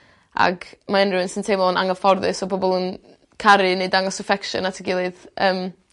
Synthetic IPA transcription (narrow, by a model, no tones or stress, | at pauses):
a̰ɡmaɛnrɨwənsəntʰejmɔnaŋɔfɔrðɨsɔbɔbɔlˠən | kʰaɾɨnedaŋɔsɪfɛkʃə̰natʰəɡɪlˠɨðəːm